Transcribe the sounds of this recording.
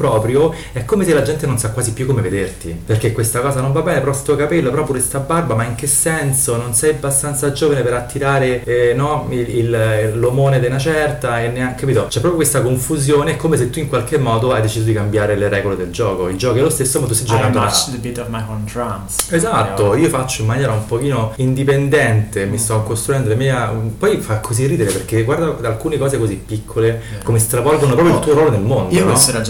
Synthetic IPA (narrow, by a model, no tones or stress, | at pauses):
pɾɔːpɾjo | ɛkːomeselːad͡ʒɛnt̪enonsakːwaːzipːjukːomeved̪ert̪iperkekːwest̪akɔːzanoɱvabːɛːnepɾɔst̪uokapelːopeɾɔpjokest̪abarbamaiŋkesːɛnsononsɛjabːast̪ant̪sad͡ʒoːvanepeɾat̪ːiɾaːɾenɔilːomoːned̪enat͡ʃɛrt̪aenːeakːapiːt̪ot͡ʃɛpɾɔpjokwest̪akoɱfuzjoːneɛkʰːomes̬et̪ːuiŋkwalkemːɔːd̪oajd̪et͡ʃiːzod̪ikambjaːɾeleɾɛːɡoled̪eld͡ʒɔːkoild͡ʒɔːk̬iɛlost̪esːomat̪ːust̪ajd͡ʒd͡ʒokanoad̪əbit̪ɔvmajɔntɾansezat̪ːoiːofat͡ʃːoimːanjɛːɾaumpok̟iːnoind̪ipend̪ɛnt̪emist̪ɔkːost̪ɾuɛnd̪olemiːapɔjfakʰːozirːiːd̪eleperk̟eɡward̪aalkuːnekɔːzekozipːikʰːolekomest̪ɾavɔlɡonopɾɔpɾjolt̪uːoɾwɔːlenelmond̪onad͡ʒ